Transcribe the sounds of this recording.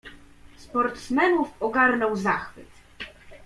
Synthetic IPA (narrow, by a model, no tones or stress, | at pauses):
spɔɾt̪smɛnufɔɡaɾnɔwzaxfɘt̪